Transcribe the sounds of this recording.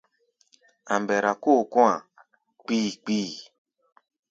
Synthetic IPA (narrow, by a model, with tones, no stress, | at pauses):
a̰˨mbɛ˨ɾa˨ko˦˨kũ˦a̰˨ | k͡piː˦k͡piː˦˨